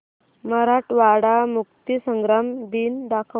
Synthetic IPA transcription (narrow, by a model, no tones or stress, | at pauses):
məɾaʈʋaɽamukt̪isəŋɡɾamd̪iːnd̪akʰə